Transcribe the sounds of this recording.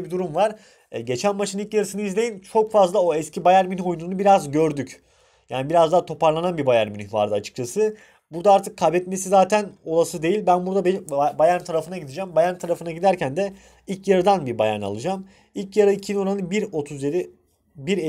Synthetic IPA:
bid̪uɾumvaɾ̥ | ɟe̞t͡ʃʰænmaʃɯnilcjaɾɯsɯnɯizlʲe̞jint͡ʃʰo̞kfazlˠao̞ɛscʰibajæɾminio̞jununubiɾazɟø̞ɾd̪yc | jaːnibiɾazd̪aːt̪ʰo̞paɾlˠananbibajæɾminiva̰ɾd̪ɯat͡ʃʰɯ̥k̚t͡ʃʰasɯ | buɾd̪aaɾt̪ʰɯkʰːabɛt̪me̞sizaːt̪ʰæno̞lˠasɯd̪e̞jilʲbænbuɾd̪abbajaɾt̪ʰaɾafɯnaɟid̪id͡ʒæmbajaɾt̪ʰaɾafɯnaɟid̪æɾcʰænd̪ɛ | ilʲcjaɾɯd̪anbibaja̰na̰lˠɯd͡ʒam | ilʲcjaɾaicʰino̞ɾanɯbiɾo̞t̪ʰuzjeɾi | biɾe

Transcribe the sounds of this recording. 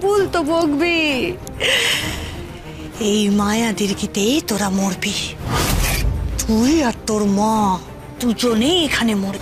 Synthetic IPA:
bult̪oboɡbi | ejmajad̪iɾkit̪ejt̪oɾamoɾbi | t̪ʰujaɾt̪oɾmɔ̃ | t̪ud͡ʑoneekʰanemoɾi

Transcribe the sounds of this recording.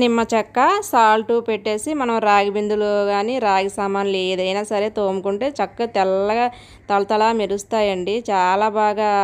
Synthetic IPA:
nimːɐt͡ʃɐkːɐsaːlʈupeʈːe̞ːsimɐnɐmɾaːɡibind̪uloːɡaːniɾaːɡisamaːnleːd̪ɐjnaːsɐɾe̞ːt̪oːmukuɳʈe̞ːt͡ʃɐkːɐt̪ɛlːɐɡa | t̪ɐlɐt̪ɐlaːmiɾust̪aːjɐɳɖit͡ʃaːlaːbaːɡaː

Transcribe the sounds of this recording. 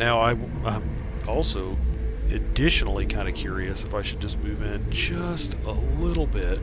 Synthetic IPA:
naʊaɪ | ãɪ̃m | ɔlˠsoʊɨdɪʃn̩l̩ˠikʰãɪ̃ndɨkʰj̥ʊɹiɨsɨfaɪʃɨd̚d͡ʒʌsmʉvɪ̃nd͡ʒʌstəlɪɾl̩ˠbɪt̚

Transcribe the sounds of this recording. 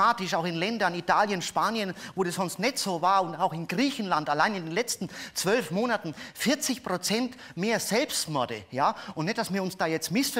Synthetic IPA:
aːtɪʃaʊxɪnlɛndɐnitʰaːljənʃpaːnjənvoːdasz̥ɔnstnɛtz̥oːvaːɐʊntaʊxɪnɡʁiːçn̩lantalaɪnɪndeːnlɛt͡stn̩t͡sv̥œlfmoːnatn̩fɪɐt͡sɪçpʁ̥ot͡sɛnt | meːɐz̥ɛlpstmɔɐdə̰jaːʔʊntnɛt̚d̥asmiːɐʊnsd̥aːjɛt͡stmɪsfɛ

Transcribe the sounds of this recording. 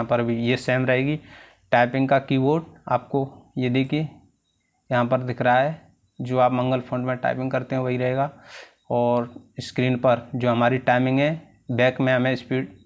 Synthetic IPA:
ãpɐɾbʱijesɛːmɾɐɦeːɡi | ʈaːɪpɪ̃ŋɡkakiːʋoːʈ̚a̰ːp̚kojed̪eːkʰie | jɐɦãpɐɾd̪ɪkʰɾaaɦɛ | d͡ʒoːaːpmɐ̃ŋɡəlpʰõːɳɖmẽʈa̰ɪpɪ̃ŋɡkɐɾt̪eɦɛ̃ʋɐɦiɾɐɦeːɡaː | ɔːɾɪskɾiːnpɐɾd͡ʒoːɦɐmaːɾiʈaːɪmɪ̃ŋɡɦɛ̃ | bɛːkmẽɦɐmẽɪspiːʈ

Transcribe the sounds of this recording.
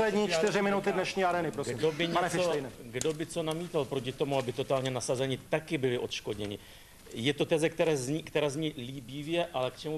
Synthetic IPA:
lɛdɲiːt͡ʃtt̪ɪrɪmɪnut̪ɪdnɛʃɲiːaɾɛːnɪpɾosɡimdobɪɲaɛnɛt͡sfojnɛɡdo̞bɪt͡so̞namiːt̪alpɾocɪt̪o̞muabɪt̪o̞t̪aːlɲɛnasazɛɲɪt̪akɪbɪlɪʔo̞t̪ʃko̞dɲɛɲɪ | jɛt̪ot̪ɛzɛk̚t̪ɛɾɛːzkt̪ɛɾaːzɲiliːbiːvjɛʔalɛkt͡ʃɛmu

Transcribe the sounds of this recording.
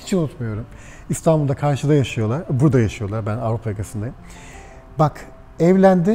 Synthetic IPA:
i̥t͡ʃʰiunut̪mujo̞ɾum | ist̪ʰanbulˠd̪akʰaɾʃɯd̪ajaʃɯjo̞lˠaɾbuɾd̪ajaʃɯjo̞lˠaɾbænavɾupʰajakasɯnd̪ajɯm | bak | ɛvlʲænd̪ɪ

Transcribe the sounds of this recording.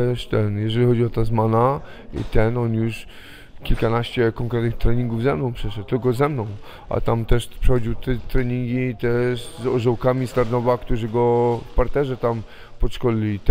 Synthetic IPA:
ɛʂt̪ɛnjɛʐɛlʲixɔd͡ʑiɔt̪azmana | ḭt̪ɛnɔnjuʂ | kʲilkanaɕt͡ɕɛkɔŋkɾɛt̪nɨxt̪ɾɛɲiŋɡuvzɛmnɔ̃w̃pʂɛʂɛt̪̚t̪ɘlkɔzɛmnɔ̃w̃ | ʔa̰t̪amt̪ɛʂpʂɛxɔd͡ʑiwt̪ɛt̪ɾɛɲiŋɡʲit̪ɛʂzɔʐɔwkamʲist̪aɾnɔvakt̪uʐɘɡɔfpaɾt̪ɛʐɛt̪am | pɔʂkɔlʲilʲit̪

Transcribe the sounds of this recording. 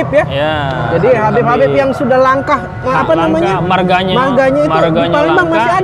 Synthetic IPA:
ɪp̚jad͡ʒadiɦabɛpɦabɛpjaŋsudahlaŋkahː | panamaɲamarɡaɲmarɡaɲait̪palɪŋbaŋmasiad

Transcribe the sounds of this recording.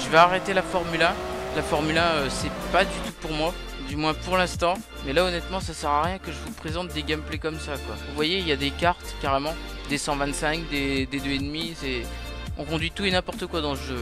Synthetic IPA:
ʒəvaːʁet̪elafɔʁmylalafɔʁmylaøsɛpad̪yt̪upuʁmwa | d̪ymwɛ̃puʁlɛ̃st̪ɑ̃ | mɛlaonɛt̪mɑ̃sasɛʁaʁjɛ̃kəʒəvupχezɑ̃t̪̚d̪eɡʲɛmplekɔmsakwa̰vuvwajeljad̪ekaʁt̪kaʁemɑ̃d̪esɑ̃vɛ̃t̪sɛ̃kd̪ed̪ed̪øed̪misɛ | ɔ̃kɔ̃d̪ɥit̪uenɛ̃pɔʁt̪əkwad̪ɑ̃səʒø

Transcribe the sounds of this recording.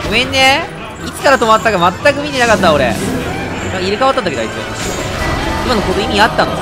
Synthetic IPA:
ɡomẽnːe | ikːaɾat̪o̞mat̪ːaɡamat̪ːakɯ̟mʲit̪e̞nakat̪ːao̞ɾḛ | nãkaiɾɯ̟kaβat̪ːat̪ːakeaisiḛ | imanokot̪oimʲiat̪ːãno

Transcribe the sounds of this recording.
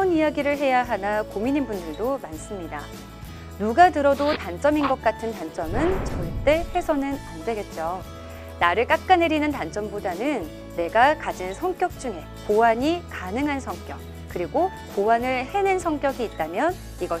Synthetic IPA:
ʌnijaɡiɾɯɭɦe̞jaɦanakomiɲinbundɯɭdomans͈ɯmɲida | nuɡatɯɾʌdotant͡ɕ͈ʌminɡʌk̚k͈atʰɯntant͡ɕ͈ʌmɯnt͡ɕʌit͈e̞ɸe̞sʰʌnɯnandwe̞ɡe̞t̚t͡ɕ͈o | naɾɯɭk͈ak̚k͈ane̞ɾinɯntant͡ɕ͈ʌmbodanɯnː | e̞ɡakad͡ʑinsʰʌŋk͈jʌk̚t͡ɕ͈uŋe̞ | kowaɲikanɯŋɦansʰʌŋk͈jʌk̚ | k͈ɯɾiɡo | kowanɯɭhe̞nɯnsʰʌŋk͈jʌɡiːt̚t͈amjʌn | iɡʌ

